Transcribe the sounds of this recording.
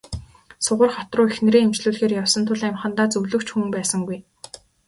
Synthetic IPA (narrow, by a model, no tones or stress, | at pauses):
sʊʁə̆rχɔt̪rʊːexnĕɾeːŋemt͡ɕɮuːɮxeːrjawsə̆nt̪ʰʊ̆ɮæmχə̆nt̪aːt͡sɵwɮɵ̆kt͡ɕxuːmpæːsə̆ŋɡuj